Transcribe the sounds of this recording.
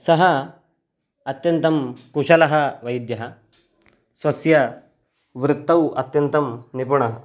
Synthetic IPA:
sɐɦɐ | ɐt̪jɐnt̪ɐmkuʂɐlɐɦɐʋɐjd̪jɐɦɐ | sʋɐsjɐ | ʋɾut̪ːɐwɐ̰t̪jɐnt̪ɐmnipuɳɐɦɐ

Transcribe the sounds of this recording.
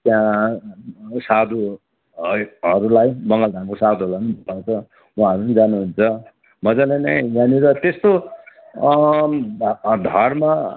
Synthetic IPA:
t̪jã | sad̪ʱu | ɦʌɾulajbʌŋɡʌld̪ʱamkosad̪ʱuɦlanibʱtat͡sʰʌ | waɦʌɾunid͡zanuɦunt͡sʰʌ | mʌd͡zalanʌjjaniɾʌt̪est̪o | d̪ʱʌrma

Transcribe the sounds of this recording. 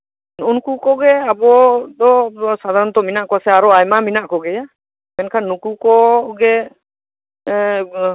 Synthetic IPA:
unkukɔɡɛabɔd̪ɔsad̪ʱaɾɔnt̪ɔminaʔkɔasɛaɾɔajmaminaʔkɔɡɛja | ɛnkʰanːukukɔɡɛ

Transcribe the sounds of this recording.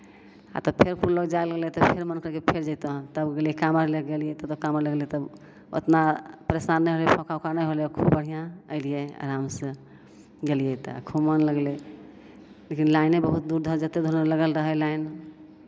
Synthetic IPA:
a̰t̪ɔpʰeɾkuɾləɡd͡ʒajləɡelet̪ɔpʰeɾmənkəɾkepʰeɾd͡ʒaɪt̪əɦt̪əbɡelɛkaməɾleɡelijɛt̪ɔt̪ɔkaməɾləɡlet̪əb | o̰t̪napəɾesanːəjɦolepʰɔ̃kʰawkanəjɦoljɔkʰubbəɽ̤ijãəɪlijea̰ɾamsə̃ | ɡelijɛt̪a̰kʰumənləɡle | lekinlaɪnebəɦut̪̚d̪uɾd̪ʱəɾd͡ʒət̪ed̪ʱoɾələɡəlɾəɦəlain

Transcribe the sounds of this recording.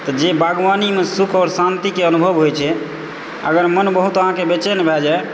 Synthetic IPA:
t̪ɔd͡ʒebaɡʋanimesukʰɔːɾsant̪ikeənubʱəʋɦojt͡ʃʰɛ | ə̰ɡəɾmənbəɦut̪əɦãkebet͡ʃɛnbʱɛd͡ʒae

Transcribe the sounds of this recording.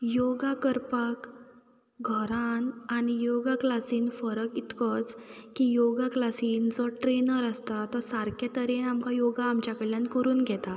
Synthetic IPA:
jɔɡakəɾpak | ɡʱəɾananijɔɡaklasiːnfəɾəkit̪kɔt͡skijoɡaklasiːnd͡zɔʈɾenəɾəst̪at̪ɔsaɾket̪əɾenamkajɔɡaːmt͡ɕjakəɭljãnkəɾuːnɡʱɛt̪a

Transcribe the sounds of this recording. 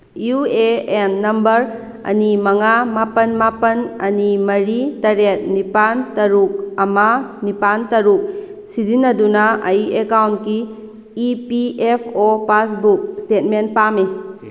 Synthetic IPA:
jueenːɐmbɐɾ | ɐ̰nimɐŋamapɐnmapɐnɐ̰nimɐɾitɐɾet̚nipantɐɾuk̚ɐmanipantɐɾuk̚ | sizinːɐdunɐɐjekawntkiː | piepʰopasbuk̚stet̚menpami

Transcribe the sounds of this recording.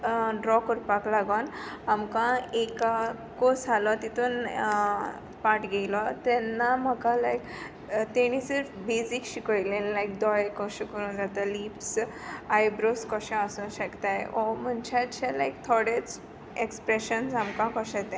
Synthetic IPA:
ɖɾɔkəɾpaklaɡənamkãeka | kosalɔt̪it̪ʰuːn | paʈɡʱejlɔt̪ɛnːam̤əkãlajk | t̪ɛɽ̃isəɾfbed͡zikɕikəilenlajkd̪ɔjkɔɕẽkəɾũːnd͡zat̪aliːps | ajbɾoskɔɕɛ̃əsũnɕəkt̪ajɔm̤ənt͡ɕat͡ɕɛlajk̚t̪ʰɔɽet͡s | ekspɾeɕənsamkãkɔɕɛ̃t̪ɛ̃

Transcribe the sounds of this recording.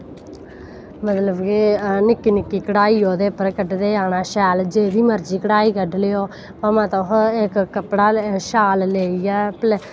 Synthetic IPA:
mət̪ləbkenɪkːiːnɪkːiːkəɽaːiːoːd̪eːpəɾkəɖd̪eːaːnaːʃɛːld͡ʒeːd̪iːməɾd͡ʒiːkəɽaːiːkəɖleoː | əmãːt̪õɦɪkːəpɽaːʃaːlleːiɛːpl

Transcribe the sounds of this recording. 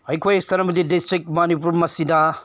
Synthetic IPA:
hɐjkʰojsɐɾɐmɐd̪idistɾik̚mɐnipuɾmɐsida

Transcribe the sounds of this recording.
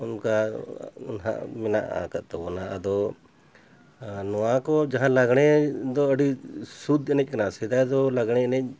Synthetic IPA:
unka | ṵnɦã̰ʔmɛna̰ʔa̰kət̪̚t̪ɔbɔnaʔəd̪ɔ | nɔwakɔd͡ʒaɦãlaɡɳ̃ɛd̪ɔəɖisud̪ɛnɛc̚ˀkanasɛd̪ajd̪ɔlaɡɽ̃ɛɛnɛc̚ˀ

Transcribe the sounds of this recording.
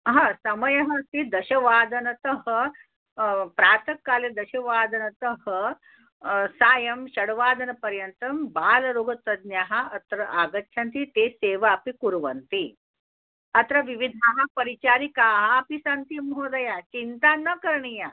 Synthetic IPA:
ɦãsɐməjɐɦət̪id̪ɐɕɐʋaːd̪ɐnɐt̪əɦə | pɾaːt̪ʰəkːaled̪ɐɕɐʋaːd̪ɐnɐt̪əɦə | saːjɐmɕɐɽʋaːd̪ɐnɐpɐɾjɐnt̪ɐmbaːlɾoːɡʱɐt̪ɐd̪njaːɦaɐt̪ɾɐʔaɡɐtːʰʃʰant̪it̪eseːʋaːpikuɾʋənt̪i | ɐt̪ɾɐʋiʋid̪ʱaɦapəɾit͡ʃaːɾikaɦapisant̪imɦod̪ɐjat͡ɕint̪anəkəɾɳija

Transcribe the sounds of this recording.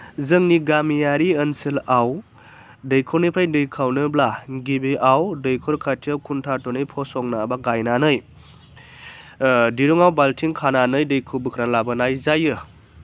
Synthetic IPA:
zɯŋniɡamijaɾiənsilaw | dɯjkʰɯɾnipʰɾajdɯjkʰawnɯblaɡibiʔawdɯjkʰɯɾkʰatʰiawkʰuntʰatɔnɯjpʰɔsɔŋnabaɡajnanɯj | diɾuŋawbaltʰiŋkʰananɯjdɯjkʰɯbɯkʰɾalabɯnajzajɯ

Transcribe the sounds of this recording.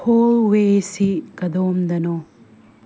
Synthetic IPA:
hoːʋeːsikɐd̪oːmd̪ɐno

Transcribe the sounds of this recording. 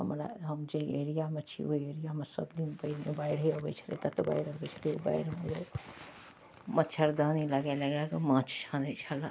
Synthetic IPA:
ɦəmɾa̰ɦəmd͡ʒeeɾijamet͡ʃʰḭoieɾijamesə̰bd̪inpəiɾmebaiɽeəbɛt͡ʃʰəlḛt̪ət̪ɔba̰iɽəbɛt͡ʃʰəlio̰ba̰iɽmed͡ʒe | mət̪ːt͡ʃʰəɾd̪əniləɡɛləɡakemãt͡ʃʰt͡ʃʰanɛt͡ʃʰəla

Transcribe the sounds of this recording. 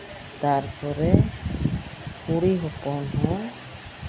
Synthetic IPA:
t̪aɾpʰɔɾɛ | kuɽiɦɔpɔnɦɔ̃

